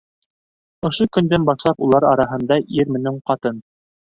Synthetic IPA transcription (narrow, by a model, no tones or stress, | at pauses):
ŏʃokɵ̆nd̪ænbɑʃlˠɑpulˠɑɾɑɾɑɦɤ̆nd̪ɑʔiɾmɘ̆nɘɴqɑt̪ɤn